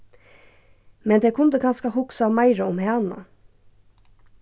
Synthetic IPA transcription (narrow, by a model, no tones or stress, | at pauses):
mɛnd̪eːkʰʊnd̪əɡʰɑnskɑhʊksɑːmɑɪɾəʊmhɛɑnɑ̰